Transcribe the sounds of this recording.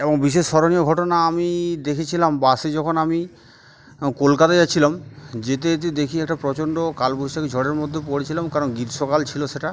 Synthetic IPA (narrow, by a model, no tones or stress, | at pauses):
eboŋbiʃeʃːɔɾonioɡʱɔʈonaamid̪ekʰet͡ɕʰilambased͡ʑɔkʰonami | kolkat̪ad͡ʑaːt͡ɕʰilamd͡ʑet̪̬et̪̬ed̪ekʰiɛk̚ʈapɾɔt͡ɕoɳɖokalboʃakid͡ʑʱɔɽeɾmod̪ʱːepoɽet͡ɕʰilamkaɾonɡiɾʃokalt͡ɕʰiloʃeʈa